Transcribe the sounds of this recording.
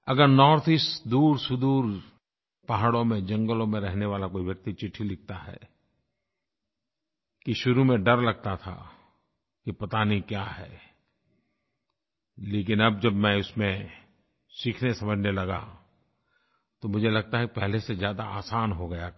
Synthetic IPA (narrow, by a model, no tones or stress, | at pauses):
ɐɡəɾnɔːɾt̪ʰɪsd̪uːɾsʊd̪uːɾ | paɦaɽõmẽd͡ʒɐ̃ŋɡəlõmẽɾɛɦneʋaːlakoːiʋjɐk̚t̪it͡ʃɪʈʰːilɪk̚t̪aɦɛ̰ | kiʃʊɾumẽɖɐɾlɐɡ̚t̪at̪ʰa̰ | kipɐt̪aːnikjaːɦɛ̰ː | leːk̬ɪnɐb̚d͡ʒɐbmɛ̃ʊsmẽ | siːkʰnesɐməd͡ʒʱnelɐɡa̰ | t̪omʊd͡ʒʱelɐɡ̚t̪aɦɛkipɛɦlesezjaːd̪aaːsaːnɦoɡɐja